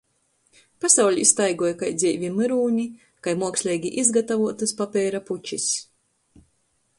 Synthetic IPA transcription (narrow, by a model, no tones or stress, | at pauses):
pasawlʲiist̪ajɡuɔjkajd̪zʲiːvʲimɨɾuːɲʲi | kajmuɔksʲlʲɛjɡʲiʔizɡat̪avuɔt̪ɨspapʲɛːɾaput͡ʃis